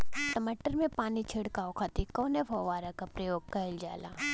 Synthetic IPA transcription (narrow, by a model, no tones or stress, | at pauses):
ʈɐmaʈəɾmẽpaːnit͡ʃʰɪɽkaːokʰat̪ikɔːnebʱɔʋaːɾakapɾɐjoːɡ̚kɐɪld͡ʒaːla̰ː